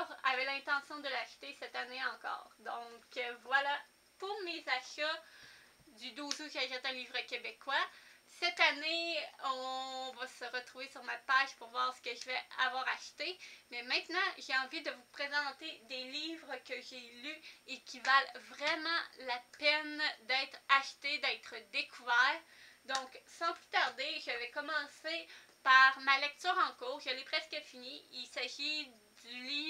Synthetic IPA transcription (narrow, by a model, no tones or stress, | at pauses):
ʁa̰vɛlɛ̃t̪ɑ̃sjɔ̃d̪əlaʃt̪esɛt̪aneɑ̃kɔ̰ːʁd̪ɔ̃kəvwala | t̪uʁmezaʃɔ | d̪yd̪uːzuʒaʒɛt̪ɛ̃liːvʁəkʲebekwasɛt̪aneɔ̃vasəʁət̪ʁuvesyʁmapaʒpuʁvwaːʁsə̥kəʒəvɛa̰vwaːʁaʃt̪emɛmɛ̃t̪nɑ̃ʒeɑ̃vid̪əvupχezɑ̃t̪ed̪eliːvʁəkʲəʒelyekʲʰivalvʁɛmɑ̃lapɛnd̪ɛːt̪χaʃt̪ed̪ɛːt̪χəd̪ekʰuvɛːʁd̪ɔ̃ksɑ̃vy̥t̪aʁd̪eʒəvɛkɔmɑ̃ːsepaʁmalɛk̚t̪yːʁɑ̃kuːʁʒəlepχɛskəfiniilsaʒi | d̪yliː